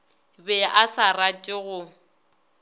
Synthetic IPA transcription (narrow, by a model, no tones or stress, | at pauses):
bɛasaratʼɪɣʊ